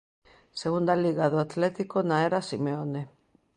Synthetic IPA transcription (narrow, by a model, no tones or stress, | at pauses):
seɣund̪aliɣaðoat̪lɛt̪ikonaɛɾasimeone